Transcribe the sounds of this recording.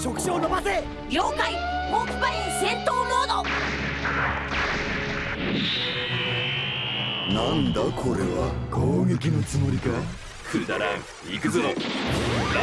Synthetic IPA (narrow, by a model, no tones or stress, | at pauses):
ɕokɯ̟̥ɕoːnomaze | jʲokai | mokɯbaisẽnt̪oːɾoːd̪o | nãnd̪akʰoɾe̞βa̰koːɡe̞kʲinot͡sɨmoɾʲika | kɯd̪aɾãŋ | ikɯzɨno